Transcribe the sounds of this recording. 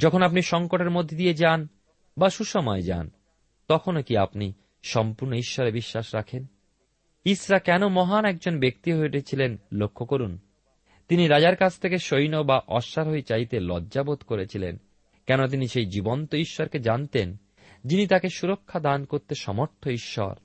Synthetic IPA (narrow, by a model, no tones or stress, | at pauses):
d͡ʑɔkʰonapniʃɔŋkoʈeɾmod̪ʱːed̪ied͡ʑan | baʃuʃɔmɔed͡ʑa̰n | t̪ɔkʰonokiapni | ʃɔmpuɾnoiʃːɔɾebiʃːaʃɾakʰen | isɾakɛnomɔɦanɛk̚d͡ʑonbekt̪iɦoʈet͡ɕʰilenlokʰːokoɾun | t̪iniɾad͡ʑaɾkat͡ɕʰt̪ʰekeʃojnobaʔɔʃːaɾɦojt͡ɕajt̪elɔdːʑabot̪koɾet͡ɕʰilḛn | kɛnot̪̬iniʃejd͡ʑibont̪oiʃːɔɾked͡ʑant̪en | d͡ʑinit̪akeʃuɾokʰːad̪ankoɾt̪eʃɔmoɾt̪ʰːoiʃːɔ̰ɾ